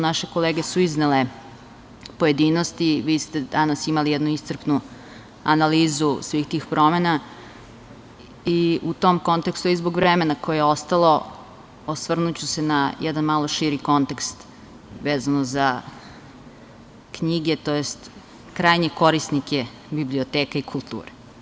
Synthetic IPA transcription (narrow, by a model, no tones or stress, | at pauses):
naʃeko̞leːɡesuiznele | poje̞d̪inost̪iʋiːst̪ed̪anasimalijɛd̪nuist̪srpnu | a̰naliːzusʋiːxt̪iːxpɾo̞mena | iut̪omko̞nt̪ekst̪uizboɡʋɾemenako̞jejeo̞st̪alo̞ | osʋr̩nut͡ɕusenajɛd̪anmaːlo̞ʃiɾiko̞nt̪e̞kst̪ | ʋeːzanoza | kɲiɡe̞t̪ojest̪ | kɾajɲeko̞ɾisnikʰe | bibliot̪eːkaikʰulˠt̪ṵːɾe